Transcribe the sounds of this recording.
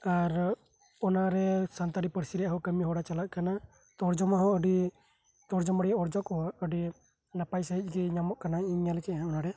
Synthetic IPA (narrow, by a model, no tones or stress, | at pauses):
aɾ | ɔnaɾɛsant̪aɾipəɾsiɾɛjaɦɔkəmiɦɔɽat͡ʃalaʔkana | t̪ɔɾd͡ʒɔmaɦɔəɖi | t̪ɔɾd͡ʒɔmaɽiɔɾd͡ʒɔkɔaəɖi | napajsəɦic̚ˀɡɛɲamɔʔkanaiɲɲalɛkɛʔɦaɔnaɾɛ